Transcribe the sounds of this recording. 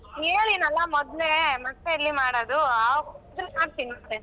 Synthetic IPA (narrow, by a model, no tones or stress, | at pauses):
eːlinɐlːɐmɔd̪lemɐt̪ːeilːimaːɽod̪uakd̪ɾumaːɾsinmad̪e